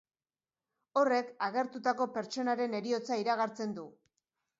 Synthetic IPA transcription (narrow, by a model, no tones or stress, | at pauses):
o̞re̞kaɣe̞ɾt̪ut̪ako̞pe̞ɾt͡ʃo̞naɾe̞ne̞ɾio̞t͡saiɾaɣ̞aɾt͡se̞nd̪u